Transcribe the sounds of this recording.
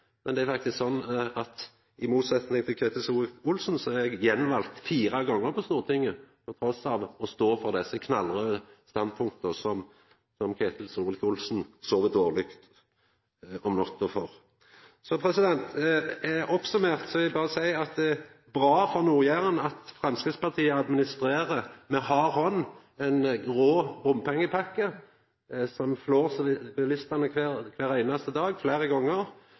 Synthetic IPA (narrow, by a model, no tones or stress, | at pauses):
mɛnd̪ɛæɾfɑkt̪ɪsksɔnːɑt̪ | ɪmuːt̪sɛt̪nɪŋt̪ʰɪlkʰeːt̪əsuːfʊlsn̩sɔɛɡjɛnːʋɑlt̪fiːɾɑɡɔŋːəɾpʰɔst̪uːʁət̪ʰɪŋːəpʰɔt̪ʰɾɔsɑʋɔst̪oːfɔʁd̪ɛsːəkʰnɑlʁəst̪ɑnd̪̚pʰʊŋk̚t̪əsɔm | sɔmkʰeːt̪ʰəlsɾuːlɪkʊlsn̩soːʋət̪oːʁlɪkt̪ | ɔmnɔt̪ʰːʊfɔʁ | sɔpʰɾɛsɪd̪ɛnt̪æɔpsʉmeːʁt̪sɔɪbɑːʁəsæɪɑt̪̚d̪ɛ | bʁɑːfɔʁnuːʁjæʁənɑt̪fʁɑmskɪspɑʁt̪ʰiːəɑd̪mɪnɪst̪ʁeːʁəmɛhɑɾhɔnː | ɛnɡʁoːbʊmpʰɛŋːəpʰɑkːə | sɔmfloːʁsbɪlɪst̪ɑnəkʰʋeʁkʰʋæːɾæɪnɑst̪əd̪ɑːɡflæɪʁəɡɔŋːəʁ